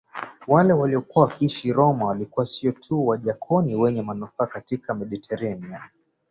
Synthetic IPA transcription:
walɛwaliɔkuawakiʃiɾɔmawalikuasiɔtʰuwaʄakʰɔniwɛɲɛmanufaːkatikamɛɗitʰɛɾɛnia

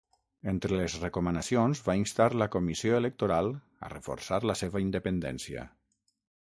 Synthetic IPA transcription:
ent̪ɾələzrəkomənəsionzβainst̪aɾləkomisioelək̚t̪oɾalˠ | ə̰rəfo̰ɾsaɾləseβəind̪əpənd̪ɛ̰nsiə̰

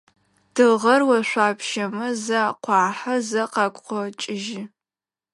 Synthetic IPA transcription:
d̥ɨʁɐrwɐʃʷaːpʰʃɐmɐzaqʷɑːħɐzɐqɑːkʷʼqʷɔt͡ʃʼɪʒɪ

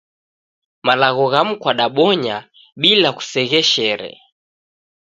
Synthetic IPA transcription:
malaɣɔɣam̩kwaɗaɓɔɲa | ɓilaku̥sɛɣɛʃɛɾɛ̰

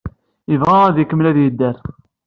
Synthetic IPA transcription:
ivʁææðikːəmlæðjəd̪ːæɾ

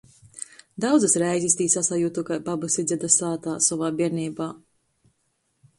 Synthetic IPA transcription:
d̪awd̪zɨsɾɛjzist̪iːsasajuːt̪ukajbabusid̪zʲɛd̪asaːt̪aːsɔvaːbiɛɾniːbaː

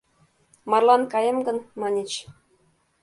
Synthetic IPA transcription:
mɑrlˠɑnkɑjɤ̆mɡɤ̆nmɑnʲet͡ɕ

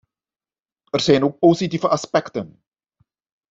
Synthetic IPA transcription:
ərz̥ɛjnoːk̚positivəʔɑspɛktən

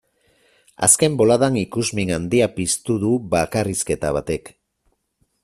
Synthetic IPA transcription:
a̰ske̞mbo̞laðaŋikuzmiŋand̪iapist̪uðuβakariske̞t̪aβ̞at̪e̞k

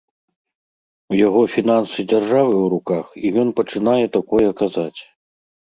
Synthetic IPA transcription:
wjaɣɔfʲin̪ansɨd͡zʲarʐavɨwɾukaxijɔnpɐt͡ʂɨnajɛt̪akɔjɛkazat͡sʲ

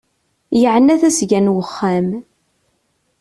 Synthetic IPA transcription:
jəʕənːæθæsʝænwəχːæm

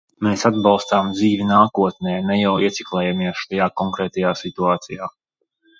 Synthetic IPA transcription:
meːsad̪̚bɑlˠst̪aːmd̪ziːvʲinaːkuɔt̪̚nʲɛːnɛjawiɛt̪sʲiklˠɛjamiɛʃt̪ajaːkɔŋkɾɛːt̪ajaːsit̪uaːt̪sijaː

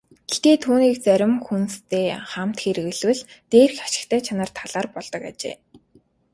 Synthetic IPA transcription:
ɡ̥et̪eːt̪ʰuːniːk̚t͡sœɾʲɪ̆mxunst̪ʰeːχam̥t̪xeɾ̆ɣɘ̆ɮwɘ̆ɮt̪eːrxaʃɪ̆kt̪ʰæːt͡ɕʰanə̆rt̪ʰaɮ̥aːrpɔɮt̪ɞ̆ka̰t͡ɕḛː

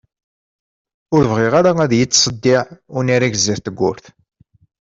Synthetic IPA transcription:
ʊɾvʁɪʁaɾaæðjət͡sːsˤəd̪ːɪʕʊniɾiʝziɾt̪əɡʷːʊɾθ

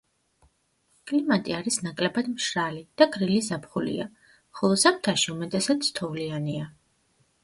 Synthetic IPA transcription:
kʼlimat̪ʼiaɾisnakʼlɛbad̪mʃɾalid̪̥aɡɾilizapχulḭa̰ | χɔlˠɔsak̚ʰt̪ʰaʃiumɛt̪ʼɛsat̪sʰt̪ʰɔvliania

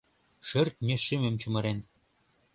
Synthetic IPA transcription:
ʃɘ̆rt̪̚mʲeʃɘmɘ̆mt͡ɕŭmɤ̆ɾen

